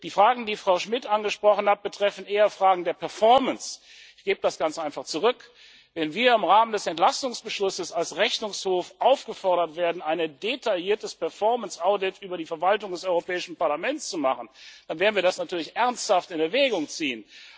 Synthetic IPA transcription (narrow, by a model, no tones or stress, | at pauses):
d̥iːfʁ̥aːɡŋ̩diːfʁ̥aʊʃmɪtʔanɡəʃpʁ̥ɔχn̩hat̚b̥ətʁ̥ɛfn̩ʔeːɐfʁ̥aːɡŋ̩deːɐpʰɛɐfɔɐməns | ɪçɡ̥eːbədasɡ̥ant͡sʔaɪnfaχt͡suʁ̞ʏk | vɛnviːɐɪmʁaːməndɛsɛntlastʊŋsb̥əʃlʊsəsalsʁɛçnʊŋshoːfʔaʊfɡ̥əfɔɐɾɐtv̥eːɐdn̩aɪnədetʰaljiːɐtəspɛɐfɔɐmənsʔaʊdɪtʔyːbɐdiːfɛɐvaltʊŋdɛsɔʏʁopɛːɪʃn̩paɐlamɛnt͡st͡sumaχn̩d̥anveːɐdn̩viːɐdasnatʰyːɐlɪçʔɛɐnsthaftɪnɛvɛːɡʊŋt͡siːən